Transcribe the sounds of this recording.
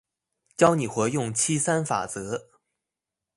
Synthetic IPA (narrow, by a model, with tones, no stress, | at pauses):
t͡ɕjɑ˥ʊni˨˩xwɛ˧˥jʊ˥˩ŋt͡ɕʰi˥sa˥nfa̰˨˩t͡sɤ˧˥